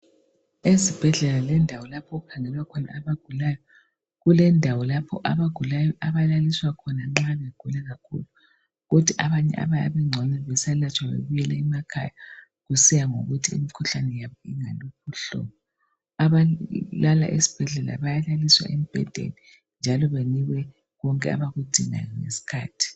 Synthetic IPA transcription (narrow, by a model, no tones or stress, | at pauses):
esib̥ʱɛɮɛlalɛndʱawɔlapʰɔɣukʰaŋɛlwakʰɔna̰ːβaɡ̥ʱulajɔ | ɣulɛndʱawɔlapʰɔ̰ʔa̰βaɡ̥ʱulajɔʔaβalaliswakʰɔnaŋ͡ǁaβeɡ̥ʱulaɣakʰṵlu | ɣod̥ʱiʔaβaɲɛ̰ʔa̰βaa̰βɛŋ͡ǀʱɔnɛβɛsalat͡ʃʰʼwaβḛβujɛlɛimakʰa̰ja | ɣusijaŋo̰ɣutʰiḭmikʰuɬanɛjaβɔiŋalop̚ʰuɬɔ̰βɔ | aβalala̰ʔesi̥b̥ʱɛɮɛla̰βajalaliswa̰ʔem̩b̥ʱɛ̰d̥ʱḛli | nd͡ʒʱalɔβeniɣwɛ | ɣɔŋkʼɛa̰βaɣud̥ʱiŋa̰jŋḛsi̥kʰa̰ːtʰi̥